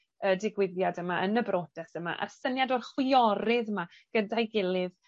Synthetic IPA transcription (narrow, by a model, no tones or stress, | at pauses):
ədɪɡwɪðjadəmaʔənəbroːd̥ɛsəma̰ʔa̰sənjadorχwɪɔɾɪðəma | ɡ̥ədajɡɪlˠɪð